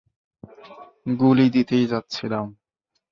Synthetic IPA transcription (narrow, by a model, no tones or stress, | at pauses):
ɡulid̪it̪ejd͡ʑat̪ːɕʰilam